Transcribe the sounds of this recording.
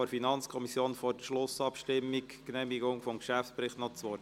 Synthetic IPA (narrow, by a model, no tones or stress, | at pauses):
ɔɾfinɑnt͡skʰɔmisjoːnfɔɾʃlʊsɑpʃtɪmːikknɛmiɡʊŋfɔmkʃæftt͡spɾɪχtnɔt͡sʋɔ